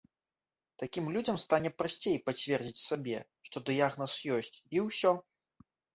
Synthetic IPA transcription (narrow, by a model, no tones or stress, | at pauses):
t̪akʲimlʲud͡zʲɐmst̪anʲɛpɾasʲt͡sʲejpat͡sʲvʲɛrd͡zʲit͡sʲsabʲɛ̰ | ʂt̪ɔd̪ɨjaɣnɐsjɔsʲt͡sʲiwsʲɔ